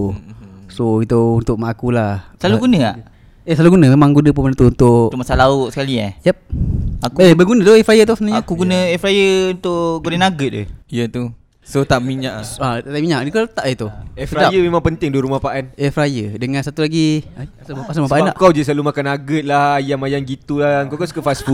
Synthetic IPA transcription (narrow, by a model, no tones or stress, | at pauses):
soit̪uunt̪ʊʔ̚maʔakulahsaluɡunə̃a̰ʔ | esaluɡunəmemaŋɡunəp̬unmənt̪uunt̪ʊʔmasalaʊʔsə̥kalia̰jap̚akuebəɡunət̪oɛfɾajət̪̬usənaɲakuɡunəɛfɾajəunt̪ʊʔɡunənaɡət̪̚ə̰jət̪u | sot̪aʔmiɲaʔat̪at̪aʔmiɲaʔnikat̪aʔjət̪uɛfɾaajəmemãŋpənt̪ɪŋduwəɾumahpaʔanɛfɾajədəŋansat̪ulaɡiaasasamapaʔaaʔkawd͡ʒəs̬alumakanaɡət̪̚lahajamajaŋɡit̪ulaəŋkawkansu̥kəfasfu